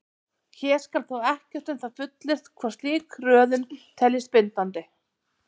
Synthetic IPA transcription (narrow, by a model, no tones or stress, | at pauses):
çɛːɾ̥skalθawɛhcɛr̥t̪ɛmθaðfʏt̪lɪr̥t̪kʰvaɾ̥st̪liːkrœːðʏnt̪ʰɛlɪ̥spɪnt̪ant̪ɪ